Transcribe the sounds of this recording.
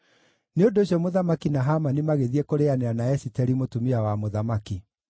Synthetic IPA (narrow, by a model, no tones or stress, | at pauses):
neondoːɕjɔmoðamakinaɦamanimaɣeðiɛkoɾeaneanaɛsitɛɾimotumiawamoðamaki